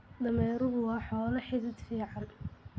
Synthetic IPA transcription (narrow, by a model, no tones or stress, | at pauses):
d̪ɐmɛːɾʊɣʊwɑːħɔːlɐħɪdɪd̪fiːʕɑn